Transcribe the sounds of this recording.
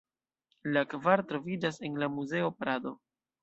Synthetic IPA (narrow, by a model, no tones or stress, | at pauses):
lakvaɾtɾo̞vid͡ʒase̞nlamuze̞o̞pɾado̞